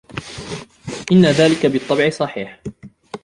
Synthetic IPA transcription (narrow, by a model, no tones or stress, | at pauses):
ʔɪnːaðaːlɪkabɨt̪ˤːɑbʕɪsˤɑħiːħ